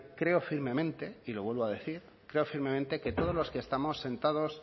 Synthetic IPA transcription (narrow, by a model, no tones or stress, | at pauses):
kɾe̞o̞fiɾmẽ̞mẽ̞nt̪e̞ilo̞βwe̞lβo̞aðe̞θiɾ | kɾe̞o̞fiɾme̞mẽnt̪e̞ke̞t̪o̞ð̞ozlo̞skest̪amo̞sːe̞nt̪aðo̞s